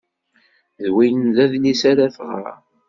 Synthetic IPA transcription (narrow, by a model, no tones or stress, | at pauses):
ðwijənðæðlisaɾaθʁɑ̰